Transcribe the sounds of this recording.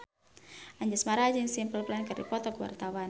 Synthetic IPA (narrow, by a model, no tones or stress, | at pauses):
ʔaɲd͡ʒasmaɾad͡ʒiŋsimpəlplankərdḭpɔt̪ɔkəwa̰rt̪awan